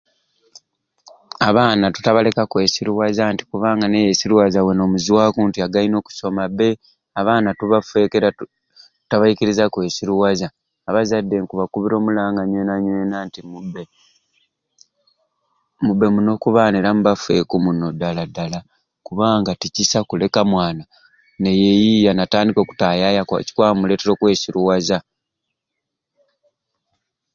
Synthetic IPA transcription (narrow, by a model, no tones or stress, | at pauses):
aβaːnatu̥taβale̞kakwe̞ːsiɾuwazanti̥kuβaːŋɡane̞jesiɾuwazaweno̞ːmuziwaːkuːntiaɡaino̞ːku̥so̞mabːe̞ | aβaːnatuβafe̞keɾa | taβajiciɾizakwe̞ːsiɾuwazaː | βazadːe̞ŋkuβakuβiɾo̞ːmulaːŋɡaɲwenaɲweːnantimube | mubːe̞muno̞ːkuβaːneɾamubafe̞̰kumuno̞daladala | kuβaːŋɡaticisakule̞kamwaːna | ne̞je̞jijanataːndiko̞ku̥tajajakci̥kwaːmule̞teɾo̞kwe̞ːsiɾuwaza